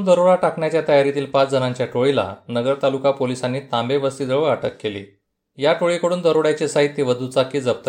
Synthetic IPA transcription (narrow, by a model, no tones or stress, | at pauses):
nd̪əɾoɭaʈakɳjat͡ɕjat̪əjaɾit̪iːlpat͡sd͡zənãɲt͡ɕjaʈoɭila̰nəɡəɾt̪alukapolisanːiːt̪ãmbebəst̪iːd͡z̪əɭʋəɭaʈəkːelḭː | jaʈoɭikəɽuːnd̪əɾoɽjat͡ɕesaɦit̪jeʋəd̪ʱut͡sakiːd͡zəb̚t̪ə